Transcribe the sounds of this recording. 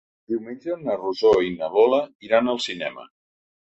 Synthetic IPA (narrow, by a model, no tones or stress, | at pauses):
d̪iwmenʲd͡ʒənəruzoinəβɔləiɾanəlˠsinɛ̰mə̰